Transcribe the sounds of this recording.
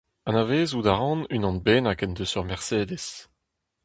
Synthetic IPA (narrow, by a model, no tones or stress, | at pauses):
ãnaveːzud̪aʁɑ̃nynɑ̃nbeːnakɛnd̪əsœʁmɛʁseːd̪es